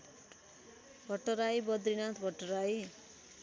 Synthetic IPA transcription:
bʱʌʈːʌɾajbʌd̪ɾinat̪ʰbʱʌʈːʌɾaj

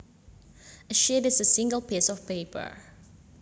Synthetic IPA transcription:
əʃɛdɪsəsɪ̃ŋɡəlˠpʰisɔv̥peːpʰə̰ɹ

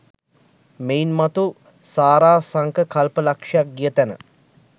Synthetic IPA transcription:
meinmat̪u | saːɾaːsaŋkəkalpəlakʂɐjak̚ɡijət̪ænə̰

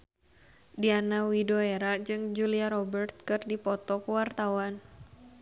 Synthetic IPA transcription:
dianawidoeɾad͡ʒɨŋd͡ʒuliaɾɔbərt̪̚kɨrdipɔt̪ɔkuwart̪awan

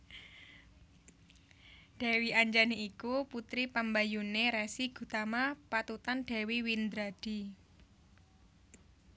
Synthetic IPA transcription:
ɖ̥a̤wiaɲd͡ʒaniikuput̪ɾipəmbajuneɾɛsiɡ̥ṳt̪amapat̪ut̪anɖ̥a̤wiwind̪ɾad̥i̤

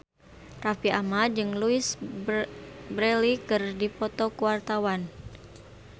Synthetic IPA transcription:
rafiamad͡ʒɨŋluis | bɾɛlikɨrdipɔt̪ɔkuwart̪awan

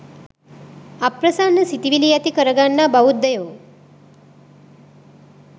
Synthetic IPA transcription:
apɾɐsanːəsit̪iʋilijat̪ikəɾəɡanːabaut̪ːəjoː

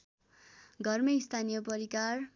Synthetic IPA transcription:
ɡʱʌrmist̪ʰanijʌpʌɾikar

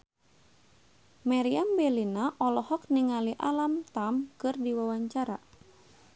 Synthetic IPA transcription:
maɾiambɛlinaʔɔlɔhɔk̚niŋaliʔalamt̪amkɨrdiwawaɲt͡ʃaɾa̰

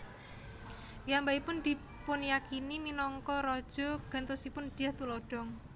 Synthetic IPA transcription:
jambaipʊnd̪̥i̤ | pʊnjakiniminɔŋkɔɾɔd̥ʒ̥ɔ̤ɡ̥a̤nt̪ɔsipʊnd̪̥i̤jaht̪ulɔɖ̥ɔ̤m

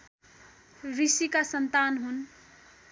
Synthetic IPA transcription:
ɾisikasənt̪anɦun

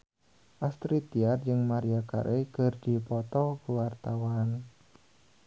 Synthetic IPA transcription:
ʔast̪ɾit̪iard͡ʒɨŋmaɾiaka̰ɾʔekɨrdipɔt̪ɔkuwart̪awan

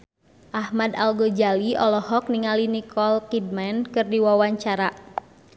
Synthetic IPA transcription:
ʔahmadalɡod͡ʒaliɔlɔhɔk̚niŋalinikʰɔlkid̚mankɨrdiwawaɲt͡ʃaɾa

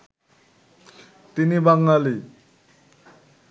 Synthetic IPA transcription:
t̪inibaŋɡali

